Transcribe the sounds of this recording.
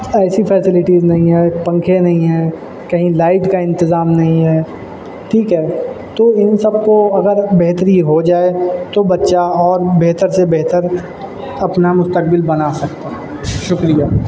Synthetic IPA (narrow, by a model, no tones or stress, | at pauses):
ɛːsifʰɛːsɪlɪʈiːznɐɦĩɦɛːpɐ̃ŋkʰenɐɦĩɦɛ̃ː | kɐɦĩlaːɪʈkaɪ̃nt̪ɪzaːmnɐɦĩɦɛː | ʈʰiːkɦɛːt̪oɪnsɐb̚koɐɡəɾbɛɦt̪ɾiɦod͡ʒaːet̪obɐtːʃaɔːɾbɛɦt̪əɾsebɛɦt̪əɾ | ɐpnamʊst̪ək̚bɪlbɐnasɐkt̪aɦ | ʃʊkɾijaː